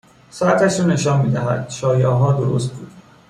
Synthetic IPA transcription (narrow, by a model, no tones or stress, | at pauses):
sɒæt̪ʰæʃuːneʃɒːnmiːd̪æɦæ̰d̪̥ʃɒːjɒːɦɒːd̪oɾo̰st̪̚buːd̪̥